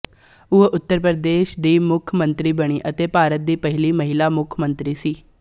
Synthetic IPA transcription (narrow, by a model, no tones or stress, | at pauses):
ʊeʔʊt̪ːəɾpɾəd̪eːʃd̪iːmʊkʰːmə̃nt̪ɾiːbəɽ̃iːʔət̪eːpaːɾət̪̚d̪iːpəɦɪliːməɦɪlaːmʊkʰːmə̃nt̪ɾiːsiː